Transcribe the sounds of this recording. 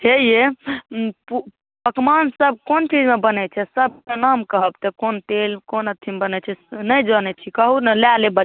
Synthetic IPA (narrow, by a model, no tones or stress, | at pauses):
ɦeije | pu | pəkmansəb̚ʱkont͡ʃid͡ʒmebənɛt͡ʃʰɛsəb̚pɾənamkəɦəb̚t̪ɛkont̪elkonət̪ʰimbənɛt͡ʃʰɛnəjd͡ʒənɛt͡ʃʰikəɦunlalebə